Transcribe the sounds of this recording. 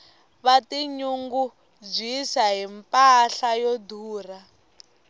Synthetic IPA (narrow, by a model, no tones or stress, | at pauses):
βatiɲuŋɡu | d͡ʒisaɦimpʼaɬajɔdʱuːra